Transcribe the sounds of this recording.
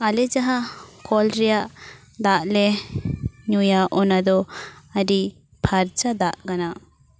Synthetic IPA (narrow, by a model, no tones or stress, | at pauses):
alɛd͡ʒaɦakɔlɾɛjaʔ | d̪aʔlɛ | ɲujaʔɔnad̪ɔaɾi | pʰaɾt͡ʃad̪aʔkana